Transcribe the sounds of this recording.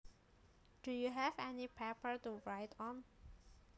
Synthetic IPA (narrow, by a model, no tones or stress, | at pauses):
d̥ujuɦɛvɛnipʰɛpə˞tuɹaɪtʰɔ̃n